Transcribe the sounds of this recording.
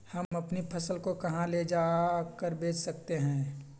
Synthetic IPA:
hɐmɐpnipʰɐsəlkokɐɦãled͡ʒaːkəɾbeːt͡ʃsɐk̚t̪eɦɛ̃ː

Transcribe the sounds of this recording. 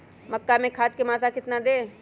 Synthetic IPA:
mɐkːamẽkʰaːt̪̚kemaːt̪ʰakɪt̪nad̪eː

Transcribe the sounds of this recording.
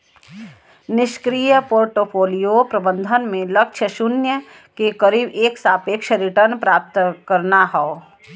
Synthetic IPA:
nɪʃkɾiːjəpoːɾʈopʰoːlijopɾɐbə̃nd̪ʱənmẽlɐkʃʰəʃʊnjə | kekəɾiːbeːksaːpeːkʃəɾɪʈəɾnpɾaːp̚t̪əkɐɾnaɦɛo

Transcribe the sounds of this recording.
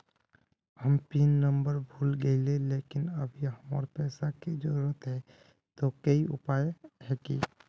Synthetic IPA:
həmpinːə̃mbəɾbʱuːlɡəɪlelekɪnəbʱiɦəmə̰ɾpɛːsaked͡ʒəɾuɾət̪ɦɛ | t̪okəiʊ̰paːjɦɛːkḭ

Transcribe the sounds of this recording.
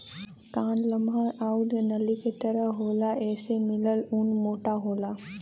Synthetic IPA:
kaːnləmɦəɾaːʊd̪nɐliket̪əɾəɦɦoːlaɛːsemɪləlunmoːʈaɦoːla

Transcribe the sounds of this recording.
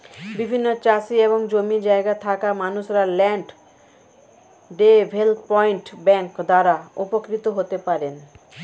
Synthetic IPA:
bibʱinːot͡ɕaʃieboŋd͡ʑomid͡ʑaeɡat̪ʰakamanuʃɾalɛɳɖ | ɖebʱelpɔiɳʈbɛŋkd̪aɾaupokɾit̪oɦot̪epaɾen

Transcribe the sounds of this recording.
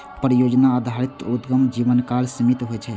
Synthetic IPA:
pɾəjod͡ʒnaːd̪ʱaɾit̪ud̪ɡəmd͡ʒiʋənkalsəmit̪ɦojt͡ʃʰɛ

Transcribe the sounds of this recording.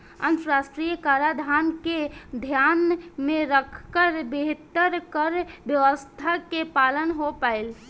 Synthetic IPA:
ə̰nt̪ɾasʈɾijəkaɾad̪ʱanked̪ʱjanmẽɾəkʰkəɾbeɦt̪əɾkəɾbjəʋəst̪ʰakepalənɦopaɪl

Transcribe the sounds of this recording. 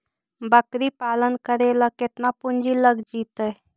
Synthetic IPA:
bəkɾipaːlənkəɾeləket̪napund͡ʒiləɡd͡ʒiːt̪əj

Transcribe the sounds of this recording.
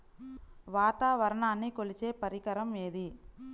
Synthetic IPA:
ʋaːt̪aːʋɐɾɐɳaːnːikolit͡ʃe̞ːpɐɾikɐɾɐmeːd̪i

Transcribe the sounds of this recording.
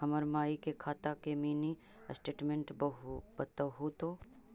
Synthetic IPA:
ɐməɾmaːikekʰaːt̪akemiːni | sʈeːʈmẽɳʈbɐɦbɐt̪əɦut̪o

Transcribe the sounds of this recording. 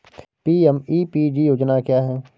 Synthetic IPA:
piːɛmiːpiːɖiːjoːd͡ʒnakjaːɦɛː

